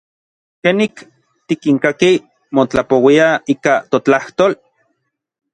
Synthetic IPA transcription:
kenik | t̪ikiŋkaki | mot͡ɬapowiaiːkat̪ot͡ɬaht̪oːl

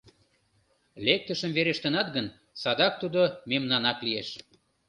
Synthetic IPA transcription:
lek̚t̪əʃəmveɾeʃt̪ənɑt̪ɡən | sɑd̪ɑk̚t̪ud̪omemnɑnɑklieʃ

